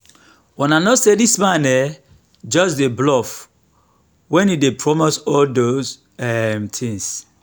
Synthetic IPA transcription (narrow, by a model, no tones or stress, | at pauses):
wɛ̃nanɔsedismãnɛ | d͡ʒɔs̬deblɔf | wɛ̃nidepʰɹɔmosɔldoz | ɛmtʰĩŋs